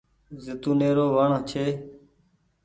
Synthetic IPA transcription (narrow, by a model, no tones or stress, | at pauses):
zɪt̪ũːneːɾoːʋəɳːt͡ʃʰeː